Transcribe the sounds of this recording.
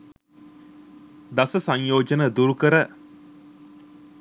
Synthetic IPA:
d̪ɐsɐsɐɲjoːd͡ʒɐnəd̪uɾukəɾə

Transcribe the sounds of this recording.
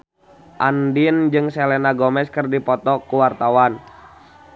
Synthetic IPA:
ʔandind͡ʒɨŋsɛlɛnaɡɔmɛskɨrdipɔt̪ɔkuwart̪awan

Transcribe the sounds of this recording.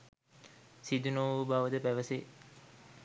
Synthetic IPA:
sid̪unoːubaːʋəd̪əpæʋəse

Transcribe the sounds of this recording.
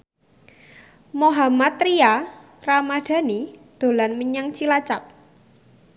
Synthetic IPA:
moɦamat̪ɾia | ramad̪̥a̤nid̪̥o̤lanməɲaŋt͡ʃilat͡ʃap̚

